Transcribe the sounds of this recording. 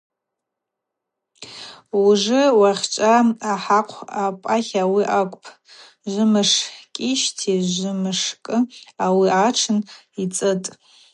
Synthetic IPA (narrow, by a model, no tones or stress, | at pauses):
uʐɨwaχʲʈ͡ʂʷʼaaħaqʷʰapʼaχʲawiʔakʷʼpʰ | ʒʷɨmɨʂħkʲʼiʃtʰiʒʷɨmɨʂkʼɨawiʔaʈ͡ʂʰɨn | it͡sʼɨtʼ